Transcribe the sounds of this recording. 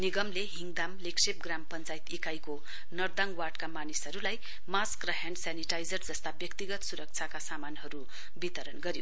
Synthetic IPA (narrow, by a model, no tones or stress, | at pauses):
niɡʌmleɦiŋɡd̪amleksep̚ɡrampʌnt͡sajt̪ikajko | nʌrd̪aŋwarʈkamanisɦʌɾulaj | maskrʌɦaɳɖsaniʈajd͡zʌrd͡zʌst̪abjʌkt̪iɡʌt̪suɾʌk̚t͡sʰakasamanɦʌɾu | bit̪ʌɾʌnɡʌɾjo